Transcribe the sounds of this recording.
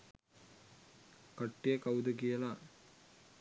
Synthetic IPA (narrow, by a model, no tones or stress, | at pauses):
kɐʈːijəkɐud̪əkijəla